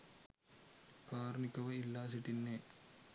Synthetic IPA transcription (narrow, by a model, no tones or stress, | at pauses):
kaːɾɐnikːɐʋɐilːaːs̬iʈːinːe